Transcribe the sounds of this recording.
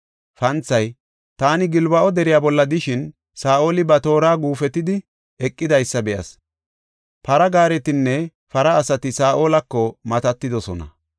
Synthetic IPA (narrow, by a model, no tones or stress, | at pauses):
fɐnt͡sːɐj | t̪aːnɪɡɪlbɐʔɔd̪ɛɾɪjaːbɔlːɐd̪ɪʃɪn | saːʔo̞ːlɪbɐt̪o̞ːɾaːɡuːfɛt̪ːɪd̪ɪ | ɛkʼːɪd̪ɐjsːɐbɛʔɐ̰s | pɐɾɐɡaːɾɛt̪ɪnːɛ | fɐɾɐːsɐt̪ɪsaːʔo̞ːlɐkːɔmɐt̪ɐt̪ːɪd̪ɔsɔnɐ̰